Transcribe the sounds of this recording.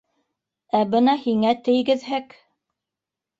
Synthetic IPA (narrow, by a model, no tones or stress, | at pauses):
æbɤnɑhiŋæt̪ɘ̆jɡɘ̆ðɦɘk